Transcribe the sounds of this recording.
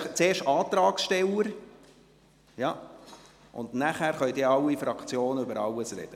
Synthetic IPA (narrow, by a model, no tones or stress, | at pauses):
t͡seːɾʃtɑːt̪ɾɑːksʃtɛləɾ | jɑ | ʊ̰ndnæχæːɾχœjd̪ɪːɾɑlːifɾɑkt͡sjoːnəʏbəɾɑwəsrɛ̰d̥ə